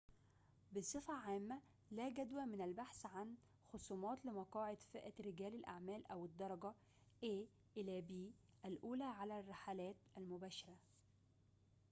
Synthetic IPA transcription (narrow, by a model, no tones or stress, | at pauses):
besˤɨfæʕaːmːæ | læɡæd̪wæmɪnælbaħsʕan | xosˤuːmɑːt̪lɪmɑqɑːʕed̪feʔæɾɪɡæːlælʔa̰ʕmæːlʔæwɪd̪ˤːɑɾˤɑɡɑ | ʔeː | ʔɪlæːbiː | ʔælʔuːlæʕalærˤːɑħalæːt̪ʔælmʊbæːʃɑɾæ